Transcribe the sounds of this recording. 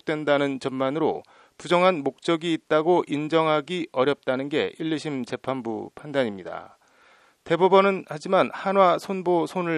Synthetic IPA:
k̚t͈we̞ndanɯnt͡ɕʌnmanɯɾo̰ | pud͡ʑʌŋɦanmok̚t͡ɕ͈ʌɡiːt̚t͈aɡoʔind͡ʑʌŋɦaɡiʔʌɾjʌp̚t͈anɯnɡe̞̰ʔiʎːɯɕʰimt͡ɕe̞pʰanbṵpʰandaɲimɲida̰ | te̞bobʌnɯnhad͡ʑimanhanɦwasʰonbosʰonɯɭ

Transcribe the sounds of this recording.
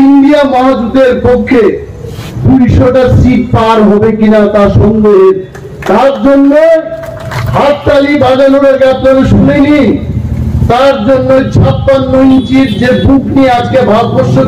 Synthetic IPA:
inɖiamɔɦad͡ʑud̪eɾpokʰːe | puɾiʃoʈasikpaɾɦɔbekinat̪aʃɔŋɡoɦeɾ | t̪aɾd͡ʑonːe | ɦat̪t̪alibad͡ʑaluɾeɾɡat̪loɾeʃuneni | t̪aɾd͡ʑonːet͡ɕʰapːanːoint͡ɕiɾd͡ʑebukniead͡ʑkebʱaɾot̪̚bɔɾʃːo

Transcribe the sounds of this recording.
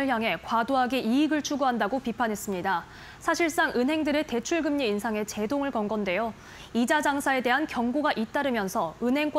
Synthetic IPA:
ɯɭçjaŋɦe̞kwadoɦaɡiiːɡɯɭt͡ɕʰuɡuɦandaɡopipʰanɦe̞s͈ɯmɲida | sʰaɕʰiɭs͈aŋʔɯnɦe̞ŋdɯɾe̞te̞t͡ɕʰuɭɡɯmɲiːnsʰaŋe̞t͡ɕe̞doŋɯɭkʌnɡʌnde̞jo | id͡ʑad͡ʑaŋsʰae̞de̞ɦankjʌŋɡoɡaʔit͈aɾɯmjʌnsʰʌɯnɦe̞ŋk͈

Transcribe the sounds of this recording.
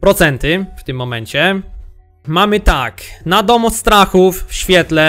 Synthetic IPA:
pɾɔt̪sɛnt̪ɪft̪ɪmːɔmɛɲt͡ɕɛ | mamɘt̪aknad̪ɔmɔst̪ɾaxufɕfʲjɛt̪lɛ

